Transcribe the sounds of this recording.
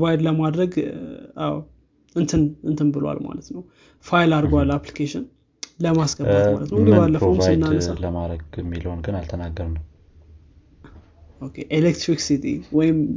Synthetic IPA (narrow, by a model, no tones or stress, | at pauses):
vajd̪ləmad̪ɾəɡʔaw | ɨnt̪ʰɨnɨnt̪ʰɨnbɨlwa̰lma̰lət̪nəw | fajɪlaɾɡwalːaplikʰeʃɪn | ləmasɡətma̰lət̪nəwibalːəpɾovajɨnːansaləmaɾəɡɛmːilho̞nɡɨnalt̪ʰənaɡːəɾnəw | okʰeʔelekt̪ɾiksit̪ʰḭwɔjɪm